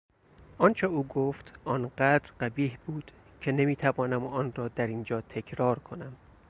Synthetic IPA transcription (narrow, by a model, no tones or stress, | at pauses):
ʔɒːnt͡ʃʰeuːɡoːft̪ʰʔɒːnɢæd̪ɾɢæbiːhbuːd̪̥ | cʰe̞ne̞miːt̪ʰævɒːnæmɒːnrɒːd̪æɾiːnd͡ʒɒːt̪ʰe̞kʰɾɒːɾkʰo̞næm